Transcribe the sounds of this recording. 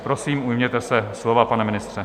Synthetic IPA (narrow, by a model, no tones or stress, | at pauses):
pɾo̞siːmujmɲɛt̪ɛsɛslovapanɛmɪnɪst̪r̥ɛ